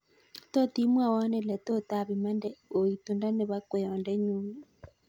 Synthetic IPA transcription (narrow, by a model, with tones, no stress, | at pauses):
to˦ti˦mwa˦˨wa˦nɛ˨lɛ˨t̪o˦ta˦˨βi˨ma˦ndɛ˦o˨i˨t̪u˨nda˦ne˨βa˦kwɛ˨jɔ˨ndɛ˦ɲu˦mi˦